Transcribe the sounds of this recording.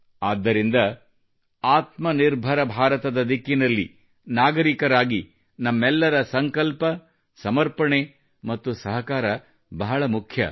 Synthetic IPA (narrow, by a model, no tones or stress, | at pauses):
aːd̪ːɐɾind̪ɐ | aːt̪mɐniɾbʱɐɾɐbʱaːɾɐt̪ɐd̪ɐd̪ikːinɐlːi | naːɡɐɾikɐɾaːɡi | nɐmːɛlːɐɾɐsɐŋkɐlpɐ | sɐmɐɾpɐɳe | mɐt̪ːusɐɦɐkaːɾɐ | bɐɦɐɭɐmukʰjɐ̰